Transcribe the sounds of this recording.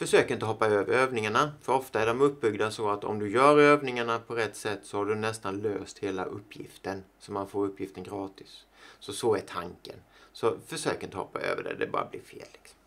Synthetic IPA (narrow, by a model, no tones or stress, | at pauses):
fœʂøːkɾɪnt̪əɦɔpːaøːvəɾøːvnɪŋaɳafœɾɔft̪aæɖɔmɵp̚ːbʏɡd̪asɔat̪ɔ̰md̪ɵjœːɾøːvnɪŋaɳapʰɔɾɛt̪ːsɛt̪ːsɔhaɖɵnɛst̪anløːst̪heːla̰ʔɵ̰pːjɪ̰ft̪ənsɔmːanfoːɾɵpːjɪft̪ənɡɾɑːt̪ɪsːɔsɔæʈʰaŋkə̰nsɔfœʂøːkəɾɪnt̪əhɔ̰pːa̰ø̰ːvə̰ɖɛ̰d̪ɛ̰bɑ̰ːɾa̰blɪ̰ɾfḛːlːɪksɔ̥mm